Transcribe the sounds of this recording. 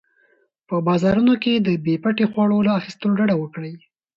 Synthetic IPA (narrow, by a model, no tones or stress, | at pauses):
pəbɑzɑɾunoked̪əbepaʈexwɑɽolaaxist̪əloɖaɽawəkɽəj